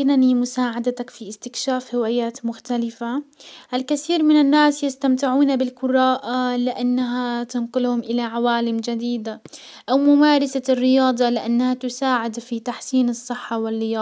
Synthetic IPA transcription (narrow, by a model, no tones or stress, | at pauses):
kɪnanimʊsaːʕad̪at̪akfiʔɪst̪ɪkʃaːfhɪwaːjaːt̪mʊxt̪alɪfaʔalkaθiːɾmɪnanːaːsjast̪amt̪ɪʕuːnabɪlkʊɾˤaːʔalɪʔanːaɦat̪anqʊlhʊmʔɪlaʕawaːlɪmd͡ʒad̪iːd̪a | ʔawmʊmaːɾˤɑsarːɪjɑːd̪ˤɑlɪʔanːahat̪ʊsaːʕɪd̪fit̪aħsiːnɨsˤːɨħːawɪrːɪjɑː